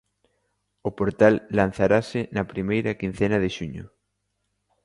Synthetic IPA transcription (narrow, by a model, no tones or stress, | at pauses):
ʊpoɾt̪alːan̟θaɾasɪnɐpɾimejɾakin̟θɛnaðeʃuɲʊ̰